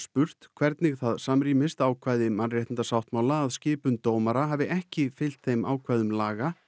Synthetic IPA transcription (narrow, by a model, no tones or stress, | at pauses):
spʏr̥t̪kʰv̥ɛɾt̪nɪɣθaðsamɾiːmɪst̪aːwkʰvaːjðɪmanrjɛjt̪ɪnt̪asawht̪maːwlaːðscɪːpʏnt̪oːwmaɾaɦavɪʔɛhcɪfɪl̥t̪θejmaːwkʰvajðʏmlaːɣa